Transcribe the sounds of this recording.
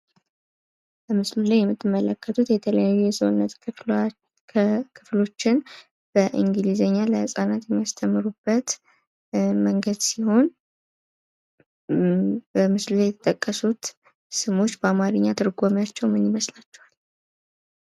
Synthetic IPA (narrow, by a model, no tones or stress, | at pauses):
b̥əmɨslulajːɛmːɨt̪ːɨmːələkːət̪ʰut̪jɛt̪ʰələjajːujɛsəwnːət̪ | kʰɨflo̞t͡ʃːɪn | b̥əʔiŋɡɨlizəɲːaləhɨsʼanat̪jɛmːiast̪ʰəmːɨɾubːət̪ | məŋɡəd̪siho̞n | bəmɨslulajɛt̪ʰət̪ʼəkʼːəsut̪ | sɨmo̞t͡ʃːbəamaɾɨɲːat̪ʰɨɾɡomjat͡ʃːɛwmɨnːɪməslat͡ʃːɛwal